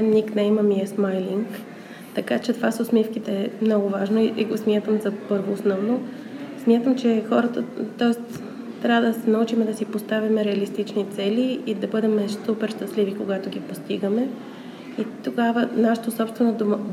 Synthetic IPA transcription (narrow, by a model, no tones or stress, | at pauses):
ɛnniknɛimɐmiɛsmajliŋk | t̪ɐkat͡ʃɛt̪ovasosmifkit̪ɛɛmnɔɡʊvaʒnoiʔiɡosmʲjat̪əmzɐpɤɾvoːsnɔvno | smʲjat̪əmt͡ʃɛxɔɾət̪ət̪ɔɛst̪ | t̪ɾʲavəd̪ɐsɛnɐut͡ʃimɛd̪ɐsipost̪avimɛɾɛɐlist̪it͡ʃnit̪sɛliid̪ɐbɤd̪ɛmɛʃsupɛɾʃt̪ɐslivikoɡat̪oɡipost̪iɡəmɛ | it̪oɡavənaʃə̥t̪osɔpst̪vɛnod̪om